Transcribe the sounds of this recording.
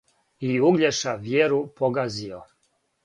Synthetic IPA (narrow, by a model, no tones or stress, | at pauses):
iuɡlʎeʃaʋjeɾupoɡazio̰